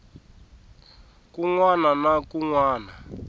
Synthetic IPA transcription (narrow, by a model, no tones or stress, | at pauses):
kuŋwananakuŋwaːna